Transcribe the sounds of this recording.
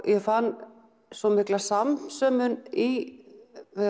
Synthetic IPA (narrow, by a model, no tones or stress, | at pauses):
jɛfanː | sɔmɪhklasamsœːmʏni | vɛ